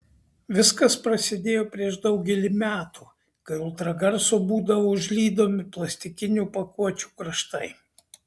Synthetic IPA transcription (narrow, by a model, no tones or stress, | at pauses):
ʋʲɪskɐspɾɐsʲɪd̪ʲeːjoːpʲɾʲiɛʃd̪ɐʊɡʲɛlʲiːmʲæːt̪uː | kɐɪʊlˠt̪ɾɐɡɐɾsoːbuːd̪ɐʋoʊʒʲlʲiːd̪oːmʲɪplˠɐsʲt̪ʲɪkʲɪnʲupɐkuɔt͡ʃʲu̥ːkɾɐʃt̪ɐɪ